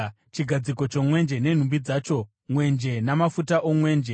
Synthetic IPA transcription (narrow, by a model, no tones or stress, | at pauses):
t͡ʃiɡʱad͡ziko̞t͡ʃo̞mwe̞nd͡ʒe̞ne̞n̤umbid͡zaːt͡ʃo̞ | mwe̞nd͡ʒe̞namafutaʔo̞mwe̞ːnd͡ʒe